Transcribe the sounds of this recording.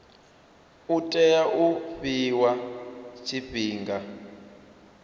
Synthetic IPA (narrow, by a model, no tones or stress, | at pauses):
utʼɛjaʔuɸiwat͡ʃʰibiːŋɡa